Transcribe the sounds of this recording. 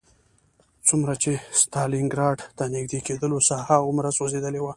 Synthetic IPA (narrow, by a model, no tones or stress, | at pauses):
t͡sumɾat͡ʃest̪ɑlɪŋɡɾɑɖt̪anɪɡd̪eked̪əlosɑhaʊmɾasozed̪əlewa